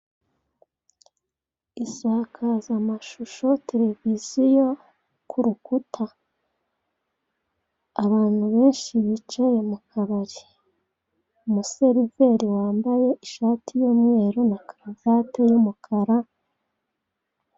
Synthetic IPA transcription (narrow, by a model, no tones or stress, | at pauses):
isaːkʰazamaʃuʃo̞tʰe̞ɾe̞vizijo̞ | kʰuɾukutʰa | βaːn̥huβe̞ːnʃiβit͡ʃajemukʰaβaɾi | muse̞ɾive̞ɾiwaːmbaje̞ʔiʃaːtʰijomŋe̞ːɾonakaɾavatejumukʰaɾa